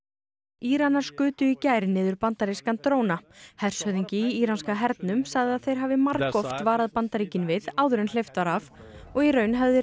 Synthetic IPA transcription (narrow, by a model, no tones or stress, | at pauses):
iːɾanːaɾ̥skʏːt̪ʏicaːjɾnɪːðʏɾpant̪aɾiskant̪ɾoːwnahɛr̥sœðiɲcɪiiːɾanskaɦɛɾt̪nʏmsaɣðɪaðθejɾ̥ɦaːvɪmaɾkɔft̪vaːɾaðpant̪aɾiːcɪnvɪðaːwðʏɾɛnl̥ejft̪aɾav | ɔɣiɾœːɥnɦɛvðɪ